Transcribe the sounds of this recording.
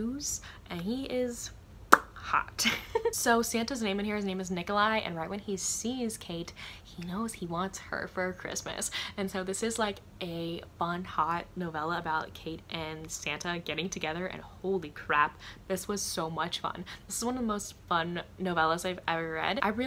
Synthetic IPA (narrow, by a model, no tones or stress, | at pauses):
z̥ʔɨ̃niɪz̥ | hɑ̰tsoʊsæ̃ntɨznẽɪ̃mɨnhiɹɨznẽɪ̃mɨznɪkəlaɪʔɨ̰̃nɹaɪʔ̚wɨ̃nisiz̥kʰeɪt̚hinoʊz̥hiwɑ̃ntshə̰˞fə˞kʰɹ̥ɪ̰smɨ̰sɨ̃nsoʊðɪsɨzlaɪk | ʔɨfʌ̃nhɑt̚ⁿnoʊvɛlˠəəbaʊt̚kʰeɪɾʔɨ̃nsæ̃ntʰəɡɛɾɪ̃ŋtʰɨɡɛðə˞ʔɨ̰̃nhoʊlˠikʰɹ̥æp̚ðɪswʌz̥soʊmʌt͡ʃfʌ̰̃nðɪsɨzwʌ̃nʌvðəmoʊstfʌ̃nːoʊvɛlˠəzaɪvɛvə˞ɹɛ̰dʔa̰ɪɹɪ